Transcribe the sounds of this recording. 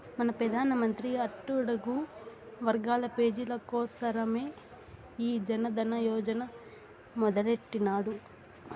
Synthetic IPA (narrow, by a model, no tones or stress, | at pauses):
mɐnɐpɾɐd̪ʱaːnɐmɐnt̪ɾiɐʈːuɽɐɡu | ʋɐɾɡaːlɐpe̞ːd͡ʒilɐkɔːsɐɾɐme̞ː | iːd͡ʒɐnɐd̪ɐnɐjɔːd͡ʒɐnɐ | mɔd̪ɐleʈːinaːɽu